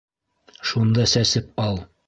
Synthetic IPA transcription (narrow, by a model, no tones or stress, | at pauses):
ʃund̪ɑsæsɘp̚ɑlˠ